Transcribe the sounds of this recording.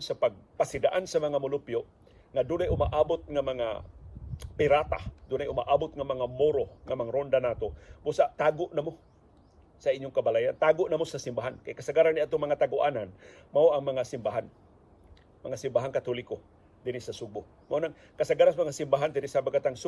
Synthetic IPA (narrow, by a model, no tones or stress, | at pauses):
sapaɡ̚pasɪd̪aʔansɐmɐŋamʊlʊpjo | ŋad̪ʊnajʊma̰ʔaːbot̪̚ŋamɐŋa̰ | pɪɾaːt̪a̰d̪ʊnajʊma̰ʔaːbʊt̪̚ŋamɐŋamoɾoŋamaŋɾond̪anaːt̪obʊsaʔt̪aːɡoʔnamo | sɐʔiɲːoŋkɐbalajant̪aːɡoʔnɐmosasɪmbaɦankajkɐsaɡaɾanɪʔat̪oŋmɐŋat̪aɡʊʔaːnanmaoʔɐŋmɐŋasɪmbaɦan | mɐŋasɪmbaɦanŋkat̪olɪko | d̪ɪnɪsɐsʊɡ̚bo | mɐonaŋ | kɐsaɡaɾansmɐŋasɪmbaɦand̪ɪnɪsabaɡat̪aŋsʊ